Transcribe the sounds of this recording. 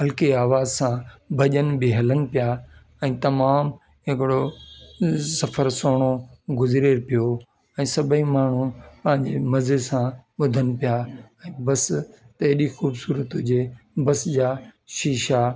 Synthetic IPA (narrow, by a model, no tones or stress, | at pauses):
ɦɐlkeaːʋaːzsãbʱɐʄənbɪɦɐlənɪ̆pija | ɛ̃ːt̪ɐmaːm | ɦɪkɪɽo | sɐfʰəɾsoːɽ̃oɡʊzɾeːɾpijo | ɛ̃ːsɐbʱəĩmaːɳ̤upɐ̃ɦɪ̃ɲd͡ʑemɐzesãɓʊd̪ʱənɪ̆pijaɛ̃ːbɐs | t̪ɐɦɗixuːbsuːɾət̪od͡ʑeːbɐsd͡ʑaːʃiːʃa